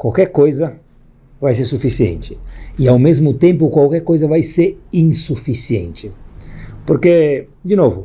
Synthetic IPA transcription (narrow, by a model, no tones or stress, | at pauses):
kwawkɛɾkojzɐ | vajs̬eɾsufisiḛ̃nt͡ʃɪɪawmezmʊt̪ẽmp̬ʊkwawkɛɾkojzɐvajseɾĩŋsufisiḛ̃nt͡ʃɪ | poɾke | d͡ʒɪnovʊ